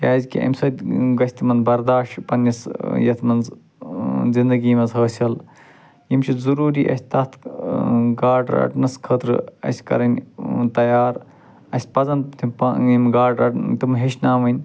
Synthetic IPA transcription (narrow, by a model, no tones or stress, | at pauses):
jaːzʲkḭʔɐ̰mʲsɐd̪ʲɡɐsʲt̪ʰimɐnbɐɾd̪aːʃpɐnːɐsjɐt̪ʰmɐnz | zind̪ɐɡiːmɐzɦəːsʲɐl | jimt͡ʃʰizuɾuːɾiːʔɐ̰sʲt̪ɐt̪ʰ | ɡaːɖɾɐ̰ʈnɨskʰəːt̪ɾɨ̰ɐ̰sʲkɐ̰ɾɐnʲt̪ɐjaːɾ | ɐsʲpɐzɐnt̪ʰimpɐjimɡaːɖɐt̪imɦeʃnaːmɐnʲ